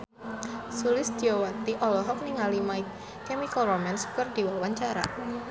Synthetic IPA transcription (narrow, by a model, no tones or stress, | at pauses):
sulɪsdiɔwat̪iʔɔlɔɦɔk̚niŋalimaj | kɛmikalromanskərdiwawaɲt͡ʃaɾa̰